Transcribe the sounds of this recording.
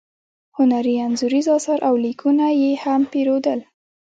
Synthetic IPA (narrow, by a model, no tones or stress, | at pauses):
hʊnaɾianzuɾizɑsɑɾʔawlikʰunajehampeɾod̪əl